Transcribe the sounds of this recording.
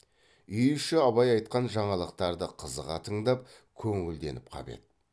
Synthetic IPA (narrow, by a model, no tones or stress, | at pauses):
ʏjɪʃɪɑβɑjɑjt̪̚qɑnʒɑɴɑlˠəqt̪ɑɾd̪əqʰəzəʁɑt̪ʰəɴd̪ɑp̚ | kʲʰɵŋɪld̪e̞̰nɪp̚qʰɑ̰be̞̰t̪̚